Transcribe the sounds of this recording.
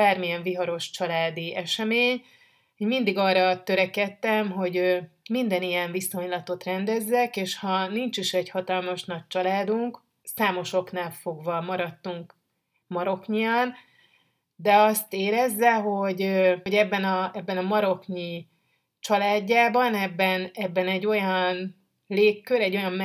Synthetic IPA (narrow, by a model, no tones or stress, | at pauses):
aːrmijɛɱviɦɒɾo̞ʃt͡ʃɒlaːd̪iɛʃɛmeːɲ | oɟmind̪iɡɒːrɒt̪øɾɛkɛt̪ːɛmɦo̞ɟømind̪ɛnijɛɱviso̞ɲlɒt̪o̞t̪rɛnd̪ɛzːɛkeːʃhɒnint͡ʃiʃɛɟhɒt̪ɒlmɒʃnɒc̚t͡ʃɒlaːd̪uŋk | saːmo̞ʃo̞knaːlfo̞ɡvɒmɒɾɒt̪ːuŋk | mɒɾo̞kɲijɒn | d̪ɛɒst̪eːɾɛzːɛɦo̞ɟøɟɛbːɛnɒɛbːɛnɒmɒɾo̞kɲi | t͡ʃɒlaːɟːaːbɒnɛbːɛnɛbːɛnɛɟːo̞jɒn | leːkːøɾɛɟːo̞jɒm